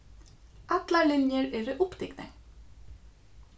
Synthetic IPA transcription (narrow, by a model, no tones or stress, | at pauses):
ɑt̪lalɪnjəɾɛɾɪʔʊpt̪ɪɡnə̰